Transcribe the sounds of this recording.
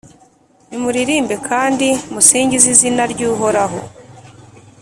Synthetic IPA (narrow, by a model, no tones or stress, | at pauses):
nimuɾiɾiːmbe̞kʰaːndimusiːɲɟizizinaɾɟuːɦoɾaɦo̞̰